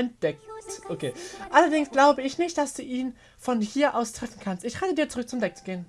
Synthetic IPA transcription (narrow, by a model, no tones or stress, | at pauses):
ɛnt̚d̥ɛk̚tʔokʰeːʔalɐdɪŋsɡ̥laʊbəɪçnɪçt̚d̥asd̥uːʔiːn | fɔnhiːɐʔaʊstʁ̥ɛfn̩kʰanstɪçʁɛːtədiːɐt͡suʁʏk̚t͡sʊmdɛk̚t͡su̥ɡ̥eːən